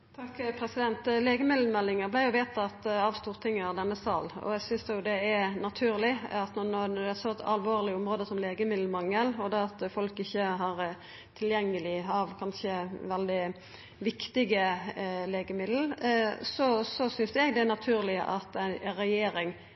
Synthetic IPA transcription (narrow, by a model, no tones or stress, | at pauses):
t̪ʰɑkpʰɾɛsɪd̪ɛnt̪leːɡəmɪd̪l̩mɛlːɪŋəblæɪjʊʋeːt̪ɑt̪ɑːʋst̪uːʁt̪ʰɪŋːəʁd̪ɛnːəsɑːlɔ̰ɛɡsʏnsd̪ɛjʊd̪ɛɛnɑt̪ʰʉːɾlɪɑt̪nɔnɔd̪ɛæsɔt̪ʰɑ̰lʋoːʁlɪɔmɾoːd̪əsɔmleːɡəmɪd̪l̩mɑŋːəlɔd̪ɛɑt̪fɔlkɪçːəɦɑɾ | t̪ʰɪljɛŋːəlɪɑʋkʰɑnʃəʋɛld̪ɪ | ʋɪkt̪ɪɡəleːɡəmɪd̪l̩sɔsɔsʏnsd̪ɛɡd̪ɛænɑt̪ʰʉːɾlɪʔɑt̪æɾɛjeːɾɪŋ